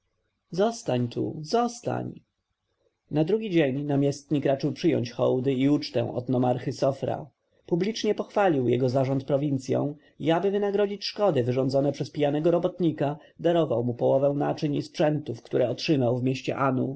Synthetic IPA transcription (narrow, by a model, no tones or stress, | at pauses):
zɔst̪aɲt̪ʰṵzɔst̪a̰ɲ | nad̪ɾuɡʲid͡ʑeɲnamʲjɛst̪ɲikɾat͡ʂɘwpʂɘjɔ̰ɲt͡ɕxɔ̰wd̪ɘiut͡ʂt̪ɛ̰w̃ɔ̰d̪nɔmaɾxɘsɔfɾa̰ | publʲit͡ʂɲɛpɔxfalʲiwjɛ̰ɡɔzaʐɔnt̪̚pɾɔvʲint̪sʲjɔ̰̃w̃ | iabɘvɘnaɡɾɔd͡ʑit͡ɕʂkɔd̪ɘvɘʐɔnzɔnɛpʂɛspʲijanɛɡɔɾɔbɔt̪ɲika | d̪aɾɔvawmupɔwɔvɛw̃na̰t͡ʂɘɲispʂɛnt̪ufkt̪uɾɛɔtʂɘmawvmʲjeɕt͡ɕɛ̰ʔanṵ